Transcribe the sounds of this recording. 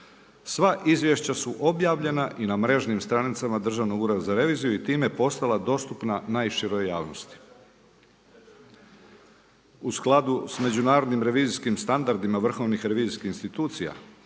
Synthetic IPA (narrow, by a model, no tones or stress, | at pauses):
sʋaʔizʋʲje̞ʃt͡ɕasuʔo̞bjaːʋʎe̞naʔinamɾe̞ʒnimst̪ɾanit̪samad̪r̩ʒaʋnoɡuːɾad̪zaɾe̞ʋiːzijuit̪iːme̞po̞st̪alˠad̪o̞st̪upnanaːjʃiɾojjaːʋnost̪i̥ | usklˠad̪usme̞d͡ʑunaːɾo̞d̪nimɾe̞ʋiːziskimst̪and̪aɾd̪imaʋr̩xo̞ʋnixɾe̞ʋiːziskixinst̪it̪uːt̪sija̰